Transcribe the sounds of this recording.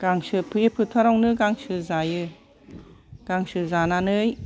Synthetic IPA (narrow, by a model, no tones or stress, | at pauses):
ɡ̥aŋsɯpʰɯjepʰɯtʰaɾawnɯɡaŋsɯzajɯ | ɡ̥aŋsɯzananɯj